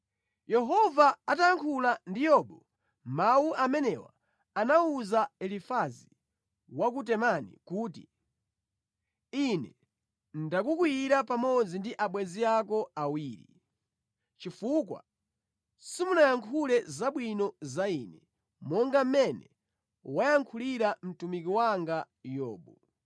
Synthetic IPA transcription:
jɛɦɔvaːtajaŋkʰulandijɔɓɔ | mawuʔamɛnɛwa̰ː | nauzaɛlifazi | wakut̬ɛmanḭkuːti | inɛ | ndakukwiɾapamɔd͡zindiʔaɓwɛziakɔawiːɾḭ | t͡ʃifukwa̰ | simunajaŋkʰulɛzaɓwinɔzainɛ | mɔŋɡam̩mɛnɛ | wajaŋkʰuliɾam̩tumik̬iwaŋɡa | jɔ̰ːɓɔ

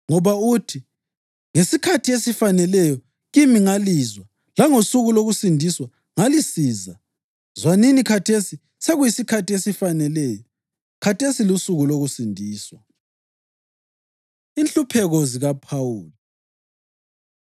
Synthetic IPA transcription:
ŋɔβautʰi | ŋesikʰatʰiesifanɛlɛjɔ | ɣimiŋalizwa | laŋosuɣuloɣusindʱiswa | ŋalisiːza | zwaninikʰatʰesi | seɣujisikʰatiesifanɛlɛjɔ | kʰatʰesilusuɣuloɣusindʱiːswa | int͡ɬupʰɛɣɔziɣapʰawuːla

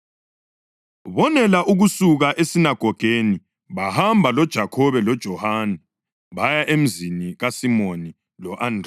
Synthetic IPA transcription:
βɔnɛlaʔuɣusuɣaʔesinaɡ̥ʱɔɡ̥ʱeni | βahambʱalɔd̥ʒ̥ʱakʰɔβɛlɔd̥ʒ̥ʱɔhanɛ | βajaʔem̩ziniɣasimoni | lɔʔandʱr

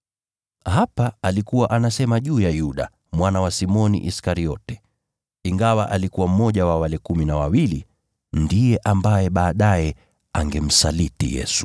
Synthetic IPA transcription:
ɦapaalikuwaʔanasɛmaʄuːjajuɗa | mwanawasimɔnḭʔiskaɾiɔtɛ̥ | iŋɡawaʔalikuwam̩mɔʄawawalɛkuminawawili | ndijɛʔambajɛɓaːɗajɛ | aŋɡɛm̩salitḭjɛ̰su̥

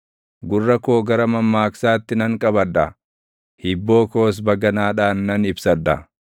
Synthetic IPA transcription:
ɡʊrːɐkoːɡɐɾɐmɐmːaːksaːt̪ːɪnɐŋkʼɐbɐd̪ːɐ | hɪbːo̞ːko̞ːs̬bɐɡɐnaːᶑaːnːɐnɪbsɐᶑ̪ːɐ̰

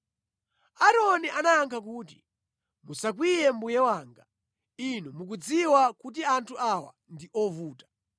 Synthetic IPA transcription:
aɾɔniʔanaaŋkʰak̬uːt̬i̥̰ | musak̬wijɛmbujɛwaːŋɡa | inumuk̬ud͡ziwakut̬iantʰuʔawa̰ndiʔɔvuːtḁ

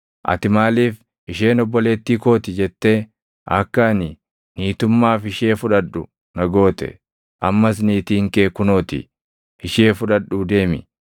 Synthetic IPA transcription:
ʔɐ̰t̪ɪmaːliːf | ʔɪʃe̞ːnɔbːɔle̞ːt̪ːiːko̞ːt̪ɪd͡ʒɛt̪ːe | ɐkːɐnɪ | niːt̪ʊmːaːfɪʃeːfʊᶑɐᶑʊ | nɐɡo̞ːt̪ɛ̰ | ʔɐmːɐs̬niːt̪iːŋke̞ːkʊnoːt̪ɪ̰ | ɪʃe̞ːfʊᶑɐᶑʊd̪e̞ːmɪ̰

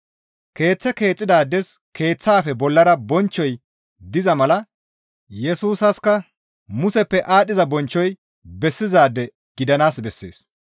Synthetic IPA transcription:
ke̞ːt͡sːɛke̞ːt͡sʼːɪd̪aːd̪ːɛskʰe̞ːt͡sːaːfɛbɔlːɐɾɐbɔnt͡ʃːɔj | d̪ɪzɐmɐlɐ | jɛsuːsɐskːɐ | mʊsɛpːɛʔaːɗɪzɐbɔnt͡ʃːɔj | bɛsːɪzaːd̪ːɛ | ɡ̥ɪd̪ɐnaːsbɛsːḛːs

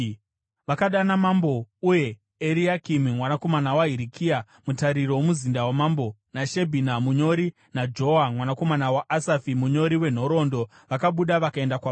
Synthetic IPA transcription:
ʋakaɗanamambo̞uje̞ | eɾiakimimwanako̞manawaɦiɾikia | mutaɾirowomuzindawamambo̞naʃebʱinamuɲo̞ɾi | nad͡ʒo̞amwanako̞manawaʔasafimuɲo̞ɾiwe̞n̤o̞ɾo̞ndo̞ | ʋakaɓuɗaʋakae̞ndakwa

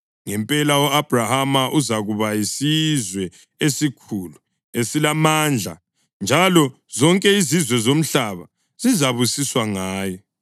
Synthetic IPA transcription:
ŋɛmpʼɛlaɔab̥ʱrahamaʔuzaɣuβajisizwɛ | esikʰulu | esilamaːnd͡ɮʱa̰ | nd͡ʒʱalɔ | zɔŋkʼɛizizwɛzom̩ɬaβa | z̥izaβusiswaŋaːjɔ

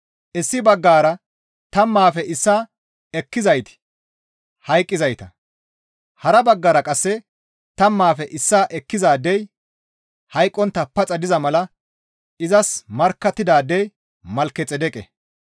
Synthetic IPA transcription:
ʔɪsːɪbɐɡːaːɾɐ | t̪ɐmːaːfɛʔɪsːaː | ɛkːɪzɐjt̪ɪ̥ | hɐjkʼːɪzɐjt̪ɐ | hɐɾɐbɐɡːɐɾɐkʼɐsːɛ | t̪ɐmːaːfɛʔɪsːaːʔɛkːɪzaːd̪ɛj | hɐjkʼːɔnt̪ːɐpːɐt͡sʼɐd̪ɪzɐmɐlɐ | ʔɪzɐsmɐɾkːɐt̪ːɪd̪aːd̪ːɛj | mɐlkːɛt͡sʼɛd̪ɛkʼɛ̰

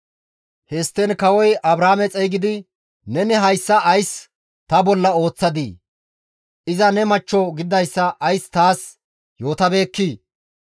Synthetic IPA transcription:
hɛst̪ːɛnkɐwɔjʔɐbɾaːmɛt͡sʼɛjɡɪd̪ɪ | nɛnɛɦɐjsːɐʔːjs | t̪ɐbɔlːɐo̞ːt͡sːɐd̪iː | ʔɪzɐnɛmɐt͡ʃːɔɡɪd̪ɐjsːɐʔɐjst̪aːs | jo̞ːt̪ɐbe̞ːkːiː

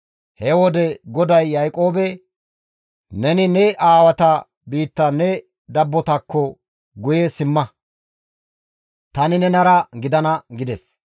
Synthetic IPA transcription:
hɛwɔd̪ɛɡɔd̪ɐjːɐjkʼo̞ːbɛ | nɛnɪnɛʔaːwɐt̪ɐ | biːt̪ːɐnɛ | d̪ɐbːɔt̪ɐkːɔ | ɡʊjesɪmːɐ | t̪ɐnɪnɛnɐɾɐɡɪd̪ɐnɐɡɪd̪ɛs

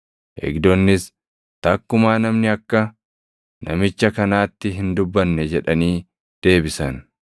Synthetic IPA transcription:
ʔḛːɡd̪ɔnːɪs | t̪ɐkːʊmaːnɐmnɪɐkːɐ | nʔɐmɪt͡ʃːɐkɐnaːt̪ːɪɦɪnd̪ʊbːɐnːɛd͡ʒɛᶑɐniː | d̪̥e̞ːbɪsɐn

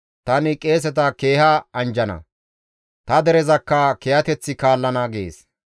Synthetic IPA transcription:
t̪ɐnɪkʼe̞ːs̬ɛt̪̬ɐke̞ːhɐɐnd͡ʒɐnɐ̰ | t̪ɐd̪ɛɾɛzɐkːɐkɛhɐt̪ɛt͡sːɪkaːlːɐnɐɡḛːs

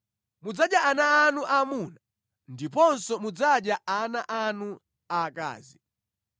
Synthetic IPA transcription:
mud͡zaɗjaanaːnuʔamuna | ndipɔnsɔmud͡zaɗjaʔanaʔanu | aka̰ːzi

